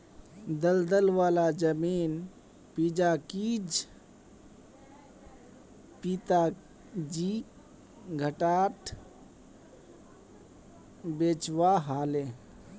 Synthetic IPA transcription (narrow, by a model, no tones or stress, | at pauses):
d̪əld̪əlʋaːlad͡ʒəmiːn | pid͡ʒakid͡ʒ | pit̪a | d͡ʒi | ɡʱəʈaːʈʰ | beːt͡ʃʋaɦaːle